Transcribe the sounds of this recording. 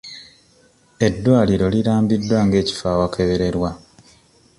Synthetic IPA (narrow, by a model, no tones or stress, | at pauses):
e̞dːwaːliɾo̞liɾaːmbidːwaŋɡe̞ːci̥faːwakʰe̞βeɾe̞ɾwa